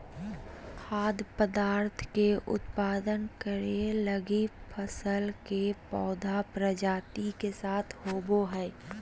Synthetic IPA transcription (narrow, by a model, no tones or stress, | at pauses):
kʰaːd̪pəd̪aːɾt̪ʰkeʔʊ̰t̪paːd̪ənkəɾeləɡipʰəsəlkepɔːd̪ʱapɾəd͡ʒaːʈ̪ikesaːt̪ʰɦoːboɦɛː